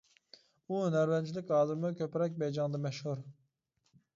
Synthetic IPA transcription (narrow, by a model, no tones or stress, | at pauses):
unɛɾvɛnt͡ʃʰilɪkʲhɑːd̪ɨɾmukʲøpɾɛk̬̚ʲbɛjd͡ʒɑŋd̪ɛmɛʃhuɾ